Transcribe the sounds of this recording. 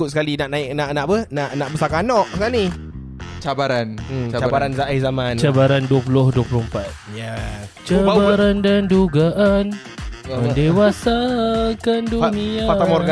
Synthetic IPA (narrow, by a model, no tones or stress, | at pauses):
ʊt̪̚sə̥kalinaʔnaɪk̚naʔnaʔbənaʔnaʔbəsakanɔʔsəkalni | t͡ʃabaɾan̩abaɾanzaʔizamãnt͡ʃabaɾanduəpulʊhduəpulohmpat̪̚jat͡ʃabaɾandanduɡaʔan | əndewasakanduniaat̪amoɡ